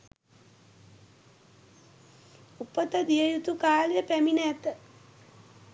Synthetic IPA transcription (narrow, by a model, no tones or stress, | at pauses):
upət̪əd̪ijəjut̪ukaːljəpæminæt̪ə